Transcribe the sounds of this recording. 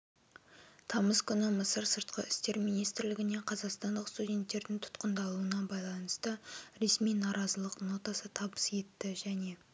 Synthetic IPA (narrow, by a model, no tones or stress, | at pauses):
t̪ʰɑməskʲʰʏnɪməsəɾsəɾt̪qəɪst̪e̞ɾmijnijst̪ɪɾlɪɡʲɪne̞qʰɑzɑqst̪ɑnd̪əqst̪udʲe̞nt̪ːe̞ɾd̪ɪŋt̪ʰʊ̥t̪qənd̪ɑlˠuənɑbɑjlˠɑnəst̪əɾe̞smijnɑɾɑzəlˠəqno̞t̪ɑsət̪ʰɑbəsje̞t̪ːɪʒæne̞